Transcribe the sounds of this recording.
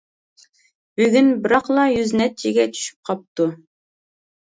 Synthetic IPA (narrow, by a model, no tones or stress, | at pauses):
b̥ʉɡɘnbɪ̆ɾɑqlˠɑjʉznæt̪jiɡʲæt̪ʰy̥ʃy̥p̚qʰɑp̚t̪u